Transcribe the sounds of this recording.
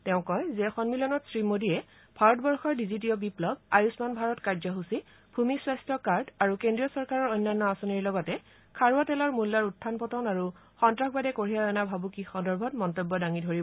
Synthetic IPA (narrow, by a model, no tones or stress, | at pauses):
tɛʊ̃kɔjzɛxɔnmilɔnɔtsɹimodiɛ | bʱaɹɔtɔbɔɹxɔɹdizitiɔbiplɔb̚ajusmanbʱaɹɔtkaɹzɔɦusi | bʱumiswajstɔkaɹdaɹukendɹijɔsɔɹkaɹɔɹojnːanːɔasoniɹlɔɡɔtɛ | kʰaɹuatɛlɔɹmulːaɹutʰːanpɔtɔnaɹu | xɔntɹaxbadɛkoɹiaɛnabʱabukixɔndɔɹbʱɔtmɔntobːɔdaŋidʱoɹibɔ